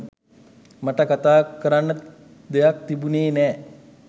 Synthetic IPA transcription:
maʈəkat̪aːkəɾanːə | d̪ejak̚t̪ibuneːnɛː

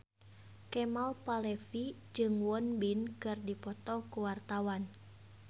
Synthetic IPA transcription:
kɛmalpalɛfid͡ʒɨŋwɔnbinkɨrdipɔt̪ɔkuwart̪awan

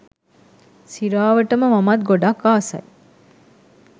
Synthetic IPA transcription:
siɾaːʋɐʈɐmɐmɐmɐt̪̚ɡoɖɐkːaːsɐ̰j

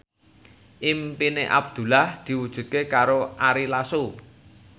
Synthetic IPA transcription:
ʔimpineʔa̰b̚d̪̥ṳlahd̪̥i̤wud̥ʒ̥ṳt̪̚kekaɾoʔaɾilasu

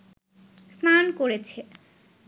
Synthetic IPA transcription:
snankoɾet͡ɕʰe

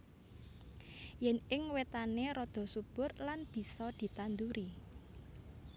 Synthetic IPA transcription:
jɛnɪŋwet̪aneɾɔd̪̥ɔ̤sub̥ʊrlanb̥i̤sɔd̪̥i̤t̪and̪uɾi

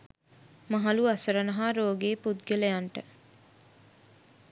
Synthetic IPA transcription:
mɐɦaluɐsəɾənɐɦaːɾoːɡeːpud̪̚ɡeləjaɳʈə

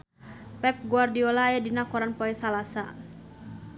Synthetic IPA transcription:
pɛp̚ɡuardiɔlaːjadinakɔɾanpɔɛsalasa

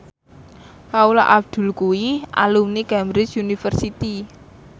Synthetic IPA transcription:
kaula̰ʔab̚d̪̥ṳlkuiʔa̰lumnikɛmbɾɪt͡ʃunifərsit̪i

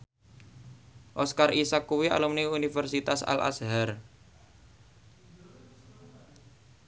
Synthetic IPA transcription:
ʔɔskarisakːuwia̰lumniunifərsit̪asa̰lʔa̰sɦar

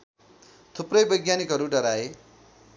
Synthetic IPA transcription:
t̪ʰuprʌjbʌjɡjanikɦʌɾuɖʌɾae

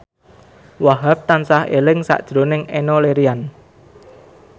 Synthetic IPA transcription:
waɦap̚t̪ansahḛlɪŋsa̰ʔd̥ʒ̥ɾonɪŋenɔleɾian

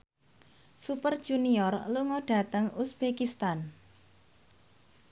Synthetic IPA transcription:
supərd̥ʒ̥uniɔrluŋɔɖ̥ä̤t̪əŋusb̥ekist̪an

